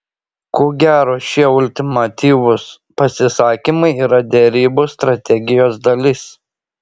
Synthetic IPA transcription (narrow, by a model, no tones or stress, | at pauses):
koːɡʲæːɾoːʃʲiɛʊlʲt̪ʲɪmɐt̪ʲiːʋʊs | pɐsʲɪsɑːkʲimɐɪiːɾɐd̪ʲɛɾʲiːbʊst̪ɾɐt̪ʲɛɡʲɪjoːsd̪ɐlʲɪs